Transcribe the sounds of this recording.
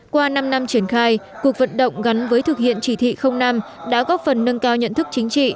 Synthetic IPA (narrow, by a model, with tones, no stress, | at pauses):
kwaː˧na˧mna˧mt͡ɕi˧˩ənxaː˧j | ku˨˩ək̚və̰˧˨nɗə̰˧˨wŋ͡mɣa˨˦nvəː˨˦jt̪ʰɨ˨˩k̚hḭ˧˨ənt͡ɕi˧˩t̪ʰḭ˧˨xə˧wŋ͡mna˧m | ɗa̰ː˧˥ɣɔ˦˥t̚fə˨˩nːə˧ŋkaː˧wɲə̰˧˨nt̪ʰɨ˦˥k̚t͡ɕï˨˦ŋ̟t͡ɕḭ˧˨